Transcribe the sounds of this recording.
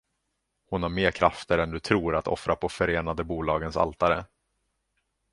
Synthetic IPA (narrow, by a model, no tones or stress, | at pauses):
hʊnhaɾmeːɾkʰɾʔaft̪əɾɛnd̪ɵt̪ʰɾuːɾat̪ʰɔ̰fɾapʰɔfœɾeːnad̪əbuːlɑːɡənsa̰lt̪aɾə